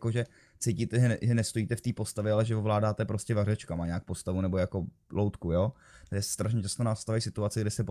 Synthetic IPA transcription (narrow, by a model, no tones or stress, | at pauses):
koʒɛ | t͡sejciːt̪ɛʒɛʒɛnɛst̪ojiːt̪ɛft̪iːpo̞st̪avjɛalɛʒɛvovlaːdaːt̪ɛpɾoscɛvarɛt͡ʃkamaɲɛak̚post̪avunɛbo̞jako̞ | lowt̪kujoː | t̪aʒɛsɛ̥st̪ɾaʃɲɛt͡ʃast̪onast̪avajsɪt̪uat͡sɪɡdɪsɛp